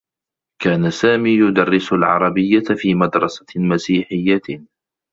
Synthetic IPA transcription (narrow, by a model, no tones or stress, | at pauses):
kaːnasaːmiːjʊd̪ɑrːɪsʊlʕɑ̰ɾˤɑbɪjːafiːmad̪ɾˤɑsḁmasiːħɪjːa